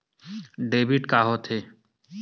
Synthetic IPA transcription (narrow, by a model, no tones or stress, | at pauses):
ɖeːbiʈkaːɦot̪ʰe